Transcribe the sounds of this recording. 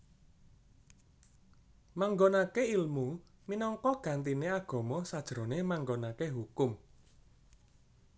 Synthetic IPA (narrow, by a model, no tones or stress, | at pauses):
maŋɡonakeilmuminɔŋkɔɡ̥ä̤nt̪ineaɡ̥ɔ̤mɔsad̥ʒ̥ɾo̤nemaŋɡonakeɦukʊm